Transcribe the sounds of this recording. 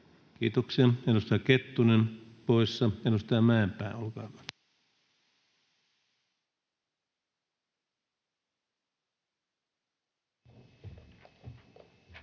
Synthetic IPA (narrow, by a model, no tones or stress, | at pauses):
kiːt̪oksiɑenust̪ɑket̪ːunenpoisːɑenust̪ɑmæempæˑenolkɑːkɑ̥t̪